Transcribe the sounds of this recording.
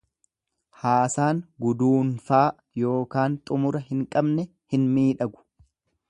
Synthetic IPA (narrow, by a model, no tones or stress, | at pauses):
haːsaːŋɡʊd̪uːnfaː | jo̞ːkaːnt̪ʼʊmʊɾɐhɪŋkʼɐbnɛ | hɪnmiːᶑɐɡʊ̥